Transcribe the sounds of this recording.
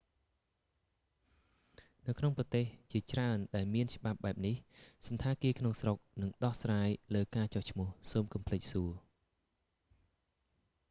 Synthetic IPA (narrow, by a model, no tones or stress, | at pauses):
nɨwkʰnoŋprɑt̪eːht͡ɕiət͡ɕraənɗaɛlmiənt͡ɕə̆ɓap̚ɓaɛp̚nihsɑnt̪ʰaːkiəkʰnoŋsrok̚nɨŋɗɑhsraːjləːkaːt͡ɕɑht͡ɕʰmʊ̆əhsoːmkɑmpʰlɨc̚suə